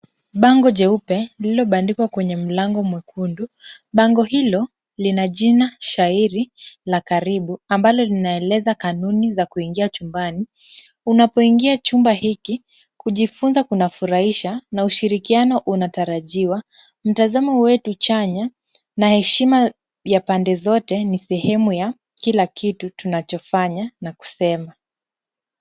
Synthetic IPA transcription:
ɓaŋɡɔʄɛupɛlilɔɓandikwakwɛɲɛm̩laŋɡɔmwɛkʰundu | ɓaŋɡɔhilɔ | linaʄinaʃaiɾilakaɾiɓuambalɔlinaɛlɛzakanunizakuiŋɡiat͡ʃumbani | unapɔiŋɡiat͡ʃumbaɦiki | kuʄifunzakunafuɾaiʃanauʃiɾikianɔʔunataɾaʄiwa | m̩tazamɔwɛtut͡ʃaɲa | nahɛʃima | japandɛzɔtɛnisɛhɛmuja | kilakʰitutunat͡ʃɔfaɲanaku̥sɛma

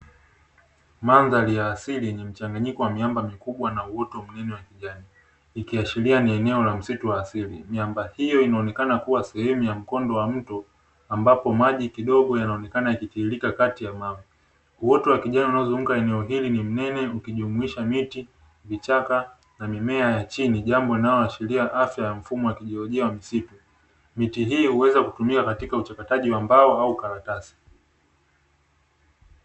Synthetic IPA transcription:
manzalijaːsilijɛɲɛm̩t͡ʃaŋɡaɲikɔwamiambamikuɓwanauɔtɔwam̩nɛnɛwakiʄaniː | kiat͡ʃilianiɛnɛɔlam̩situwaːsilimiambahijɔinaɔnɛkanakuwasɛhɛmujam̩kɔndɔwam̩tɔ | ambapɔmaʄikiɗɔɠɔjanaɔnɛkanaikitiːlikakatijamavi | uwɔtuwakiʄanaunaɔzum̩kaɛnɛɔɦilinim̩nɛnɛukiʄumuiʃamiti | vit͡ʃaka | namimɛajat͡ʃiniʄambɔinajɔaʃiliaʔafjajam̩fumɔwakiʄiɔlɔʄiawamisitu | mitiɦiːhuwɛzakutumikakatikaut͡ʃakataʄiwambaɔaukaɾatasi̥

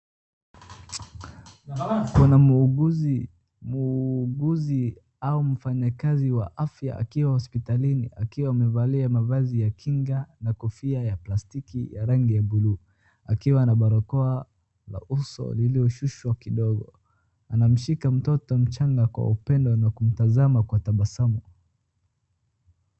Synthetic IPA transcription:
kunau | muɡuzi | aum̩faɲakaziwa̰ʔafja̰a̰kiwahɔspitalinḭa̰kiwaːmɛvaliamavazijakʰiŋɡanakɔfiajaplastikijaɾaŋɡijabulu | akiwanaɓaɾɔkɔa | la̰ʔusɔ̰liliɔʃuʃwakiɗɔɡɔ̰ | anam̩ʃikam̩tɔtɔm̩t͡ʃaŋɡakwa̰upɛndɔnakum̩tazamakwatambasamɔ

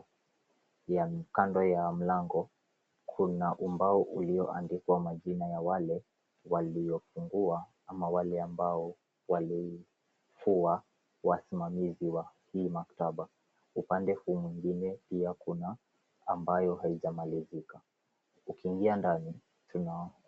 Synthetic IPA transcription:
jakandɔjam̩laŋɡɔ | kʰunaʔumbaɔʔuliɔʔa̰ndikwamaʄinajawalɛ | waliɔfuŋɡua | amawalɛambaɔ | wali | fua | wasimamiziwahiːmaktaɓa | upandɛhuːmwiŋɡinɛpiakunaː | mbajɔhaiʄamalizika | ukiːŋɡiandani | tuna

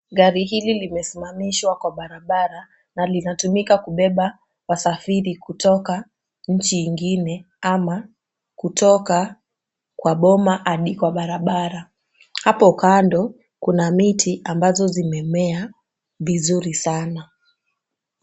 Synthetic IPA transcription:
ɣaɾiɦililimɛsimamiʃwakwaɓaɾaɓaɾa | nalinatumikakuɓɛɓa | wasafiɾikutɔka | ɲ̩t͡ʃiːŋɡinɛ | ama | kutɔka | kwaɓɔmaʔaɗikwaɓaɾaɓaɾa | hapɔukandɔ | kunamitʰiʔambazɔzimɛmɛa | vizuɾisana

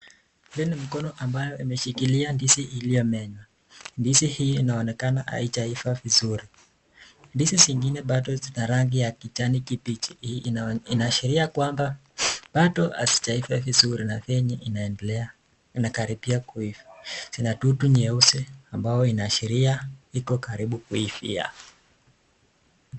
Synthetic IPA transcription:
vinim̩kɔnɔʔambajɔimɛʃikiliandisiːlijɔmɛɲwa | ndisihiinaɔnɛkanaʔa̰itaifavizuɾi | ndisisiŋɡinɛɓatɔzinaɾaŋɡijakit͡ʃanikipit͡ʃi̥ | inaʃiɾiakwamba | ɓatɔa̰si̥taifɛvizuɾinavɛɲɛʔinaɛnɛlɛa | inakaɾipiakuifḁsinatutuɲɛusɛambajɔinaʃiɾiaikɔkaɾiɓukuifḭa̰

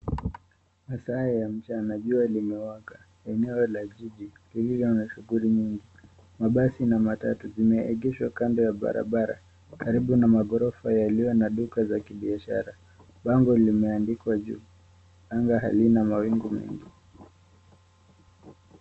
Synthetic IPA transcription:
masaɛjam̩t͡ʃanaʄualimɛwaɡa | ɛnɛɔlaʄiʄililivjɔnaʃuɣuliɲiŋɡi | maɓasinamatatuzimɛɛɠɛʃwakandɔjaɓa̰ɾa̰ɓaɾa̰ | kaɾiɓunamaɠɔɾɔfajaliwɛnaɗukazakiɓiaʃa̰ɾa | ɓaŋɡɔlimɛandikwaʄṵː | aŋɡaɦa̰linamawiŋɡumɛ̰ŋɡi

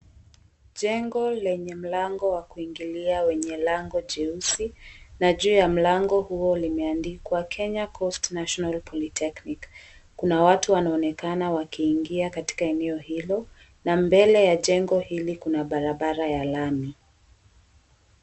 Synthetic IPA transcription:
ʄɛŋɡɔlɛɲɛm̩laŋɡɔwakuiŋɡiliawɛɲɛlaŋɡɔʄɛusinaʄuːjam̩laŋɡɔhuɔlimɛandikwakʰɛɲakʰɔstnaʃɔnalpʰɔlitʰɛknikkːunawatuwanaɔnɛkanawakiːŋɡiakati̥kaɛnɛɔhilɔ | nambɛlɛjaʄɛŋɡɔhilikunaɓaɾaɓaɾajalami

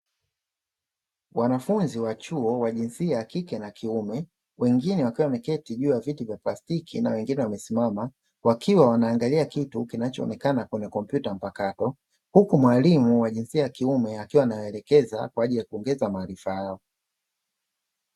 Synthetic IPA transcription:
wʔanafunziwat͡ʃuɔwaʄinsiajakikɛnakʰiumɛ | wɛŋɡinɛwakiwamɛkɛtiʄuːjavitivjaplastikʰinawɛŋɡinɛwamɛsimama | wakiwawanaːŋɡaliakitukinat͡ʃɔɔ̰nɛkanakwɛɲɛkɔm̩pjutam̩pakatɔ | hukumwalimuwaʄinsiajakiumɛakiwanajɔɛlɛkɛza̰kwaaʄilijakuɔŋɡɛzamaːɾifajaɔ

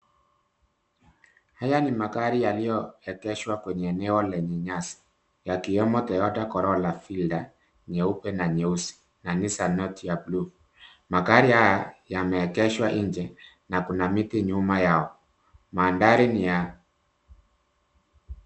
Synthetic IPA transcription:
hajanimakaɾijalijɔɛkɛʃwakwɛɲɛːnɛɔlɛɲɛɲasḁ | jakiɔmɔt̪ɛjɔtakɔɾɔlafilda | ɲɛupɛnaɲɛusi̥ | nanisanɔtjablu | makaɾihajajamɛːkɛʃwaʔiɲd͡ʒɛ | nakunamitiɲumajaɔ | maːndaɾinija

